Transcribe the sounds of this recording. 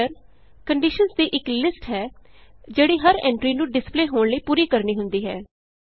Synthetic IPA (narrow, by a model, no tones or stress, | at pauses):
əɾ | kəɳɖɪʃənsd̪iːʔɪklɪsʈɦɛːd͡ʒeːɽiːɦəɾɛ̃ːɳʈɾiːnũːɖɪspleːɦoːɳləiːpuːɾiːkəɾniːɦʊnd̪iːɦɛː